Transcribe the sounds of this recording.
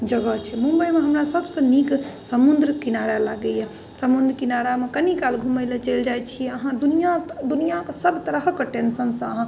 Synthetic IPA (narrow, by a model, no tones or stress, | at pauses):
d͡ʒəɡət͡ʃʰɛmũmbəimeɦəmɾasəbsə̃niksəmund̪ɾkinaɾalaɡɛjɛ | səmund̪ʱɾkinaɾamekənikalɡʱumelet͡ʃəld͡ʒajt͡ʃʰiɛəɦãd̪unijad̪unijakesəbʱt̪əɾəɦkəʈensənsə̃əɦã